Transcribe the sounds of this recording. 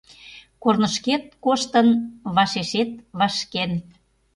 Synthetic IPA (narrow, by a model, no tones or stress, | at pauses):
kornəʃket̪̚koʃt̪ənβɑʃeʃet̪̚βɑʃken